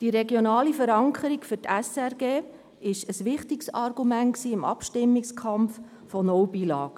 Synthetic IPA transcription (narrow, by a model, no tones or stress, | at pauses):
d̥iɾɛɡjonɑːlifəɾɑŋkʰəɾikfʏɾtʰɛsɛɾɡeː | ɪʃəsʋɪχtiksɑɾɡumæntksiːɪmɑ̰pʃtɪmːikskʰɑmf | fɔnɔwbiːlɑːɡ̥